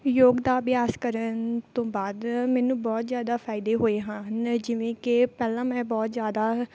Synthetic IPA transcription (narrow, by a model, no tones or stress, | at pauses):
joːɡd̪aːʋjaːskəɾənt̪õːbaːd̪mɛːnũːbɔːt̪zjaːd̪aːpʰaːɪd̪eːɦoːeːɦãːnd͡ʒɪʋẽːkɪpɛːlãːmɛ̃ːbɔːt̪zjaːd̪aː